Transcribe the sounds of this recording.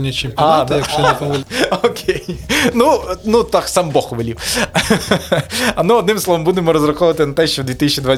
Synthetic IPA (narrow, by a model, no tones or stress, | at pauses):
nʲɐt͡ʃɪmpʲːad̪jɐkʃɐkʲokʰʲejnunut̪ɑksɑmbɔxʋɪlʲiw | ɐnuɔd̪nɪ̃msˠɔʋɔmbud̪emɔɾɔzrɐxɔʋʋɐt̪ɪnɐt̪ɛʃt͡ʃɔwd̪ʋʲit̪isʲt͡ʃʲid̪ʋa